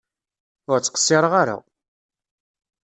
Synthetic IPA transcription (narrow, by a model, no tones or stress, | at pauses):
ʊɾt͡sːə̥qə̥sːɪɾˤəʁaɾa̰